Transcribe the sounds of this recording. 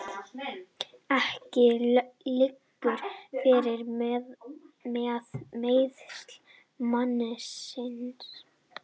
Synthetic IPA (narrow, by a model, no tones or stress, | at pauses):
ɛhcɪlɪkːʏɾ̥fɪːɾɪɾ | mɛðmeːjðst̪l̥ | manɪsɪns